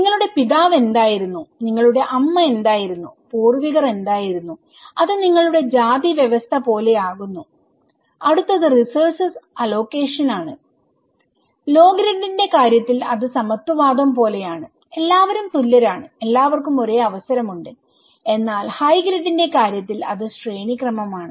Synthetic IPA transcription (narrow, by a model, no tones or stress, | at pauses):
niŋːɐɭuɽe̞piðaːʋe̞nd̪aːjiɾunːuniŋːɐɭuɽe̞ʔɐmːɐe̞nd̪aːjiɾunːupuːrʋiɣɐre̞nd̪aːjiɾunːu | ɐðɨniŋːɐɭuɽe̞d͡ʑaːd̪iʋjeʋɐst̪ʰɐpo̞ːle̞aːɣunːu | ɐɽut̪ːɐðɨrisɐrsɐsɐlo̞ːke̞ːʂɐnaːɳɨ | lo̞ːɡɾɐɖːinde̞kaːɾjɐt̪ːilɐðɨsɐmɐt̪ːwɐʋaːd̪ɐmpo̞ːle̞jaːɳɨ | e̞lːaːʋɐɾumt̪ulːɐɾaːɳɨe̞lːaːʋɐrkumo̞re̞ːɐʋɐsɐɾɐmuɳɖɨ | e̞nːaːlhɐjɡɾɐɖːinde̞kaːɾjɐt̪ːilɐ̰ðɨsre̞ːɳikrɐmɐmaːɳɨ